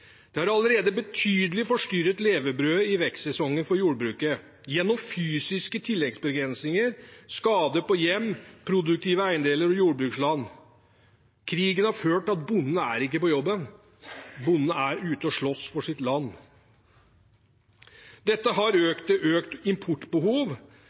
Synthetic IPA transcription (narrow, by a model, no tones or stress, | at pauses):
d̪̥ɛhɑɾɑləɾeːd̪əbət̪ʰyːd̪əlɪfɔʂʈyɾət̪leːʋəbɾøːɪʋɛk̪sɛsɔŋːənfɔɾjuːɖbɾʉːkə | jɛnːɔmfyːsɪskət̪ʰɪlːɛɡsbəɡɾɛnsnɪŋəɾskɑːd̪əpɔjɛmːpʰɾʊd̪ʉk̚t̪ʰiːʋəæɪnd̪eːləɾɔjuːɾbɾʉːkslɑnː | kʰɾiːɡənhɑɾføːʈɑt̪̚bʊnːnəæɾɪkːəpɔjɔbːən | bʊnːnəæɾʉːt̪əɔʂɭɔsfɔʂɪt̪lɑnː | d̪ɛt̪ːəɦɑɾøːkt̪əʔøːkt̪ɪmpʰʊʈːbəhuːʋ